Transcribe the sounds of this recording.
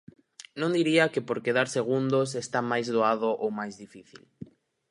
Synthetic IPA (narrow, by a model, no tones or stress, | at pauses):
nõnd̪iɾiakepoɾkeðaɾseɣ̞und̪os̬est̪amajzðoaðoʔowmajzðifiθḭl